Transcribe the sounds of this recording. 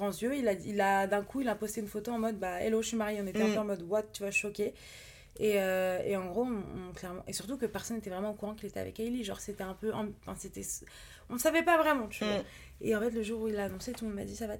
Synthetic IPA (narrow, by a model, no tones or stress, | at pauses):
ʁɑ̃zjøilailad̪ɛ̃kʰuilapost̪eynfot̪oɑ̃mɔd̪baḛloʃimaʁjeɔ̃net̪ɛɛ̃pøɑ̃mɔd̪wat̪̚t̪ːyvwaʃɔkʲe | eøeɑ̃ɡʁoɔ̃klɛʁmɑ̰̃ʔesyʁt̪ukəpɛʁsɔnet̪ɛvʁɛmɑ̃okuʁɑ̃kilet̪ɛa̰vɛ̰kajliʒɑ̰̃ʁset̪ɛɛ̃pøʔɑ̰̃fɛ̃set̪ɛs | ɔ̃əsavɛpavʁɛmɑ̃t̪yvwa | eɑ̃fɛt̪ləʒuʁuilaːnɔ̃set̪umɔ̃d̪ma̰d̪isava